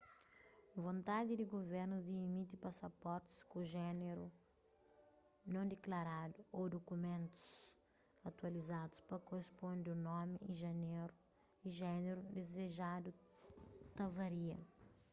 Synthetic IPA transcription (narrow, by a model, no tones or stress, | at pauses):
võnt̪ad̪ɪd̪ɪɡoveɾnuzd̪iːmit̪ipasɐpɔɾt̪ɪ̥skuʒɛneɾu | nɐ̃w̃d̪eklaɾad̪uod̪okumẽnt̪u̥s | ɐt̪wɐlizad̪u̥spɐkorespõnd̪unɔmiĩʒɐneɾu | iʒɛneɾud̪ezeʒad̪u | t̪ɐvɐɾiɐ̰